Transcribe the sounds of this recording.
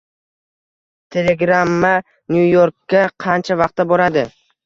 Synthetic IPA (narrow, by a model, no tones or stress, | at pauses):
t̪ʰe̞le̞ɡɾamːa | njujoɾkʲːaqʰɑnt͡ʃʰavɑq̚t̪ʰaboɾad̪ɪ